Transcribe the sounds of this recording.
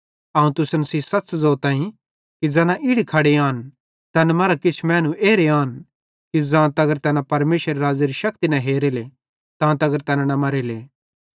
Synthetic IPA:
aːũt̪ʊsnsiːsɐtːt͡ʃzoːt̪ãːĩ | kid͡zɛːnãʔɪɽikʰɐɽeaːn | t̪ɐnmɐɾakɪt͡ʃʰmɛ̃ːnũʔeːɾeaːn | kid͡zãːt̪ɐɡəɾt̪ɛnãpɐɾmeːsəɾeɾaːd͡ziɾiʃɐkt̪inɐɦeːɾele | t̪ãːt̪ɐɡəɾt̪ɛnanɐmɐɾeleː

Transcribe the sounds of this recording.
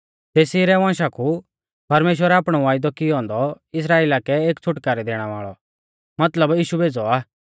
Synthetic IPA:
t̪eːsiɾɛʋãːʃakʰu | pɐɾmeːʃ̬wəɾɛaːpɽ̃ɔʋaːɪd̪ɔkɪɦɔ̃ːnd̪ɔ | ɪs̬ɾaːeːlakɛeːkt͡sʰʊʈkaːɾɛd̪eːɽ̃ʋa̰ːɭɔ | mɐt̪ləbjiːʃubʱeːd͡zɔaː

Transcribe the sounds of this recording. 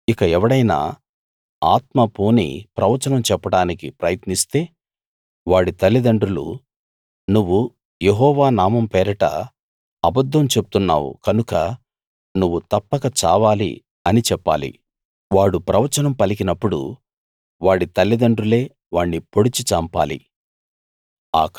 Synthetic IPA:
ikɐɛʋɐɽɐjna̰ː | aːt̪mɐpuːnḭpɾɐʋɐt͡ʃɐnɐmt͡ʃɛpːɐɽaːnikipɾɐjɐt̪nist̪e̞ː | ʋaːɽit̪ɐlːid̪ɐɳɖɾulṵ | nuʋːu | jeɦɔːʋaːnaːmɐmpɛːɾɐʈɐ̰ | ɐbɐd̪ːɐmt͡ʃe̞bu̥t̪unːa̰ːwṵkɐnukɐ | nuʋːut̪ɐpːɐkɐt͡ʃaːʋaːlḭ | ɐnit͡ʃɛpːa̰ːlḭ | ʋaːɽupɾɐʋɐt͡ʃɐnɐmpɐlikinɐpːuɽṵ | ʋaːɽit̪ɐlːid̪ɐɳɖrule̞ː | ʋaːɳːipo̞ɽit͡ʃit͡ʃɐmpa̰ːlḭ | aːk

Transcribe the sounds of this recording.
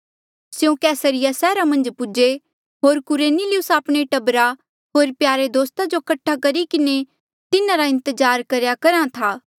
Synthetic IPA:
sjũkɛːsəɾɪjasɛːɾamɐ̃nd͡ʒpʊd͡ʒe | ɦoːɾkʊɾeːnilɪʊsaːpɽ̃eʈɐbɾa | ɦoːɾpjaːɾed̪oːst̪ad͡ʒokɐʈʰːakɐɾikɪne | t̪ɪnãɾaɪ̃nt̪əd͡ʒaːɾkɐɾjakɐɾãt̪ʰaː

